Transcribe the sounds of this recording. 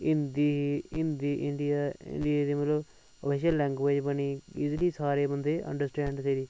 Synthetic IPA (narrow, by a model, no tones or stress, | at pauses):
ɪnd̪iːɪnd̪iːʔɪɳɖiaɪ̰ɳɖieːd̪iːmət̪ləb | əpʰeːʃ̬əlːɛ̃ːŋɡʋeːd͡ʒbəniːɪzliːsaːɾeːbənd̪eːʔə̰̃ɳɖəɾsʈɛ̃ːɳɖseːɾiː